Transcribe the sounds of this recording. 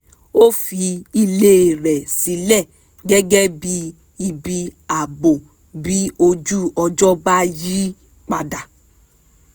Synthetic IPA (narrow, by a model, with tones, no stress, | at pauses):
o˦fi˧i˧le˦˨ɾɛ˨si˨˦lɛ˦˨ | ɡɛ˦ɡɛ˦bi˦ | i˧bi˧a˨bo˨ | bi˦o˧d͡ʒu˦ɔ˧d͡ʒɔ˦ba˦ji˦ | k͡pa˧da˨